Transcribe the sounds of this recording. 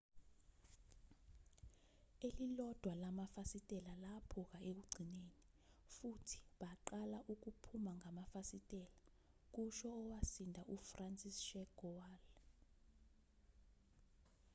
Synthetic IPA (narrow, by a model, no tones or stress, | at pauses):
elilɔd̥ʱwalamafasitʼɛlalapʰɔk̬aek̬uɡ͡ǀʱineni | futʰi̥ɓaǃalaʔuk̬upʰumaŋamafasitʼɛla | k̬uʃɔːwasindʱaʔufrant͡sʼisʃɛɡ̥ɔwaːl